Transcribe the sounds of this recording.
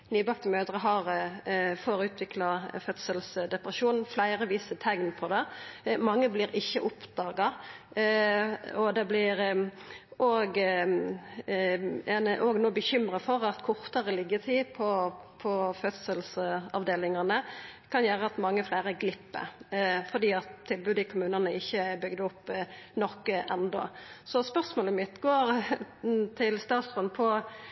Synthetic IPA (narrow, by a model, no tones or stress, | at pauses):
nyːbɑkt̪əmøːd̪ʁəɦɑɾ | foɾʉːt̪ʰʋɪkʰlɑfœt̪səlsd̪ɛpɾəʃuːnn̩flæɪɾəʋiːsət̪ʰɛŋnpʰɔd̪ɛmɑŋːəbliːɾɪçːəʔʊpd̪̥ɑːɡɑ | ɔd̪ɛblɪɾ | ʔoːɡ | ɛnəʔoːɡnuːbəçʏmʁɑfɔʁɑt̪kʰʊʁt̪ɑɾəlɪɡːət̪ʰɪpʰɔpʰɔfœt̪səlsɑ̰ʋd̪eːlɪŋɑnəkʰɑnjæːɾəɑt̪mɑŋːəflæːɾəɡlɪpːə̰fɔd̪iːɑt̪t̪ʰːɪlbʉːd̪ɪkʰʊmʉːnənəɪçːəbʏɡd̪əɔpːnɔkːəʔɛnd̪ɔ̰sɔspœʁsmoːləmɪt̪ːɡoːɾ | t̪ʰɪlst̪ɑːt̪sʁʉnpʰɔ